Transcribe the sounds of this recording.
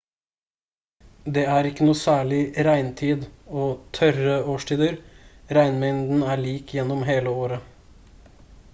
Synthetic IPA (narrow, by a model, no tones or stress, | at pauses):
d̪eːæɾɪkːənuːsæːɭɪɾæɪnt̪ʰiːd̪oːt̪ʰœɾəoːʃʈʰiːd̪əɾɾæɪnmɛɪnd̪n̩æːɭiːkʰjɛnːɔmɦeːləoːɾə